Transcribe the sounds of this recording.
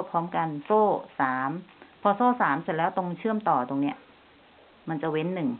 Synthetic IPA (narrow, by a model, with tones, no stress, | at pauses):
pʰɔː˦˥mka˧nsoː˥˩saː˩˦mpʰɔ˧soː˥˩saː˩˦mse˨˩lɛː˦˥wt̪o˧ŋt͡ɕʰɯ˥˩əmt̪ɔː˨˩t̪o˧ŋni˦˥ɐʔ | ma˧nt͡ɕa˨˩we˦˥nːɯ˨˩ŋ